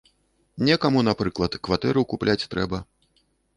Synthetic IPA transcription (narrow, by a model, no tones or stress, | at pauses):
nʲɛkamunapɾɨklˠɐt̪kvat̪ɛɾɨkuplʲat͡sʲt̪ɾɛbɐ